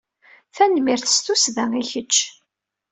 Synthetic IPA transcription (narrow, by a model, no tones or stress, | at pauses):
θænmiɾθə̥st̪usðæŋiçət͡ʃː